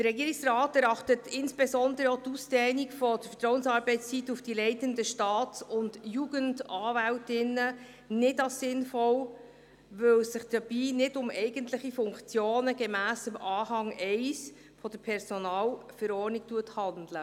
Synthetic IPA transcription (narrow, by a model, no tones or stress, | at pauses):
d̥əɾɛɡiːɾiksrɑːtɛɾɑχtətɪnsb̥esɔndəɾəotusd̥ɛːnikfɔd̥əɾfə̥trɔwənsɑːɾb̥ɛɪtst͡sitːufd̥ilɛɪtəndəʃtɑːtsʊnd̥juɡəndɑːvæwtɪnːə | nɪdɑlssɪnfɔw | ʋɵwsɪχd̥əb̥iːnɪdʊmɛɪɡəntlɪχifʊŋkt͡sjoːnəɡemæːsəmʔɑːɦɑŋɛɪs | fɔd̥əpʰɛɾsɔnɑːlfəɾɔːrnik̚tuəthɑndlə